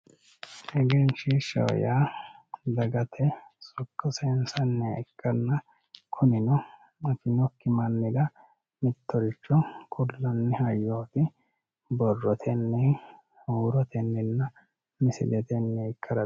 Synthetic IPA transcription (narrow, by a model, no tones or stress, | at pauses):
ʔɛɡɛnʃiʃɐ̰w̰jaːd̪ɐɡɐt̪ʰɛsʊkːɐsɛnsɐnːɛɛkːɐnːɐ | kʰʊnɪnɔ | ɐfɪnɔkːɪmɐnːɪdɐ | mɪt̪ːɔɾɪt͡ʃːɔkʰʊlːɐnːɛhɐjːoːt̪ɪ | bɔrːɔt̪ʰɛnːɛ | huːɾɔt̪ɛnːɛnːɐ | mɪsɪ̰lɛt̪ɛnːɛɛkːɐɾɐ